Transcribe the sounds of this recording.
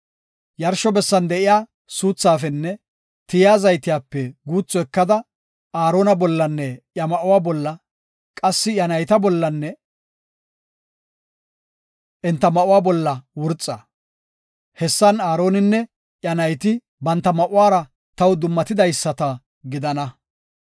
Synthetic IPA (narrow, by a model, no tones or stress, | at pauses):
jɐɾʃɔbɛsːɐnd̪ɛʔɪjaː | suːt͡sːaːfɛnːɛ | t̪ɪjaːzɐjt̪ɪjaːpːɛɡuːt͡sːɔɛkːɐd̪ɐ | aːɾo̞ːnɐbɔlːɐnːɛʔjɐmɐʔʊwaːbɔlːɐ | kʼɐsːɪjɐnɐjt̪ɐbɔlːɐnːɛ | ʔɪnt̪ːɐmɐʔʊwaːbɔlːɐwʊɾt͡sʼːɐ | hɛsːɐnaːɾo̞ːnɪnːɛ | ʔjɐnɐjt̪ɪ | bɐnt̪ːɐmɐʔʊwaːɾɐ | t̪ɐwd̪ʊmːɐt̪ɪd̪ɐjsːɐt̪ɐ | ɡɪd̪ɐnɐ